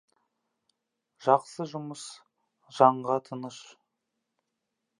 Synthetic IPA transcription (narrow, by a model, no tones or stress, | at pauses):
ʒ̥ɑqsəʒʊməs | ʒ̥ɑɴʁɑt̪ʰənəʃ